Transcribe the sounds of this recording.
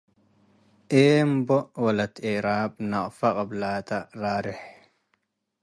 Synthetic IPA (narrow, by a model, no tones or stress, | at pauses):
ʔeːmbɔwɐlɐt̪eːɾaːb̚nɐʔʼfɐkʼɐblaːt̪ɐɾaːɾɛh